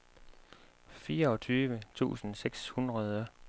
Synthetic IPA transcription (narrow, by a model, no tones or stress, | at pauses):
fiːɐɒ̽t͡sʰyːʋət͡sʰṵːsn̩seɡ̥shunʁɐðˠɐ